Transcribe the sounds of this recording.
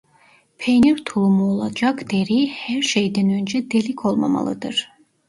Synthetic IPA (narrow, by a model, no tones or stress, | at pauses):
pʰejniɾt̪ʰulˠumuolˠɑd͡ʒɑkd̪̥eɾihæɾʃejd̪ɛnø̞nd͡ʒɛd̪elikʲʰo̞lˠma̰mɑ̰lˠɯ̰d̪ɯɾ̥